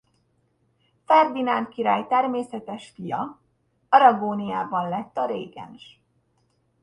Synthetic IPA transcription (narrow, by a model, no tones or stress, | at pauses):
fɛrd̪inaːnt̪kiɾa̰ːjt̪ɛrmeːsɛt̪ɛʃfijɒ | ɒɾɒɡoːnijaːbɒnlɛt̪ːɒɾeːɡɛ̰nʃ